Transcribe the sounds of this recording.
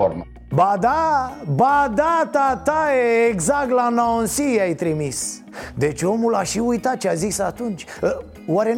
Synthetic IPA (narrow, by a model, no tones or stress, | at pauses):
o̰ɾm | bad̪abad̪at̪at̪ajeːɡzak̚t̪lanaonsiajt̪ɾimis | d̪e̞t͡ʃʲo̞mulaʃiujt̪at̪̚t͡ʃeazisat̪unt͡ʃʲə | waɾe